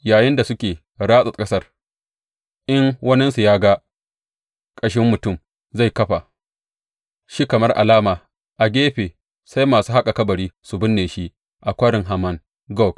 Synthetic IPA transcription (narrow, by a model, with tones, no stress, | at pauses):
jaː˨jɪ˦nda˨sʊ˦kʲeː˨ | ɽaː˦sʼa˨kʼɐ˦sɐ˦r | ʔɪ˦ŋwɐ˦nɛ˦nsu˨jaː˦ɡa˦ | kʼɐ˨ʃ̬ɪ˦mːʊ˨tʊ˦˨m | za˦˨jkɐ˦ɸa˨ | ʃiː˦kɐ˨mɐ˦rʔa̰˨laː˦maː˨ | ʔa˨ɡʲeː˦ɸeː˨ | sa˦jmaː˨suː˦ha˦kʼa˨kɐ˦bɐ˨ɾiː˦su˨bʊ˦nːeː˨ʃi˦ʔ | ʔa˨kʷɐ˦ɽɪ˨ŋɦa˨mɐ˦ŋ | ɡɔ˦˨k